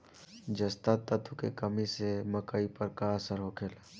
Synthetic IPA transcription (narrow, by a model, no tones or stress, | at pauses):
d͡ʒəst̪at̪ːɐt̪ukekəmiseməkəipəɾkasəɾɦokʰeːla